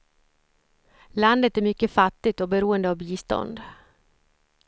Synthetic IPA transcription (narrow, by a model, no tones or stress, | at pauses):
land̪ət̪æɾmʏkːəfat̪ːɪt̪ɔbɛɾuːənd̪əavbiːst̪ɔ̰nd̪